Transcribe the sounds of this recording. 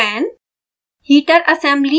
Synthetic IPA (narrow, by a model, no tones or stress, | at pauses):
ɛ̃ːn | hiːʈəɾʔɐsɛ̃mbli